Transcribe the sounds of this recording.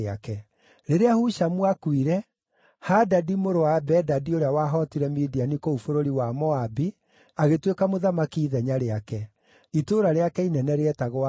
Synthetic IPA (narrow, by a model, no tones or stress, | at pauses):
akɛ | ɾeɾeahuʃamwakwiɾɛ | hadadimoɾowabɛdadioɾeawaɦɔtiɾɛmidianikoufoɾoɾiwamɔabi | aɣetwekamoðamakiːðɛɲaɾeakɛ | itoɾaɾeakɛinɛnɛɾeɛtaɣoa